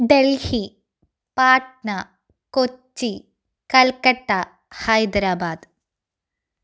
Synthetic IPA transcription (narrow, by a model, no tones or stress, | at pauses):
ɖelhi | paːʈ̚ɳɐ | kot͡ʃːi | kɐlkɐʈːɐ | hɐjd̪ɾaːbaːd̪